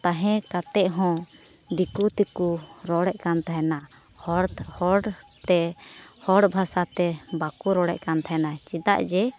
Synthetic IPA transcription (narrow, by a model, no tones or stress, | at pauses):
t̪aɦɛ̃kat̪ɛʔɦɔ̃ | d̪ikut̪ɛkuɾɔɽɛʔ̚kant̪ʰaɦɛna | hɔɽhɔɽt̪ɛhɔɽbʱasat̪ɛbakuɾɔɽɛʔkant̪ʰaɦɛnat͡ʃid̪a̰ʔd͡ʒɛ